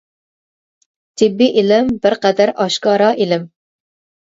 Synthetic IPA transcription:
t̪ʰɪbːiʔilɪmbɪɾqɛd̪æɾɑʃkɑːɾɑʔilɪm

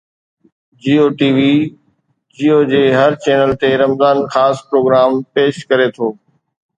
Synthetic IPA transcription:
d͡ʑiːoːʈiːʋiː | d͡ʑiːoːd͡ʑeːɦɐɾt͡ɕɛːnəlt̪eɾɐmzaːnxaːspɾoːɡɾaːmpeːʃkɐɾet̪ʰoː

